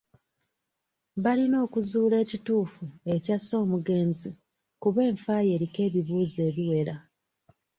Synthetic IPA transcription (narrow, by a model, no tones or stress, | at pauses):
βalino̞ːkuzuːle̞ːcituːfue̞caso̞ːmuɡe̞ːnzi | kuβe̞ːɱfaːje̞ɾike̞ːβiβuːze̞ːβiwe̞ɾa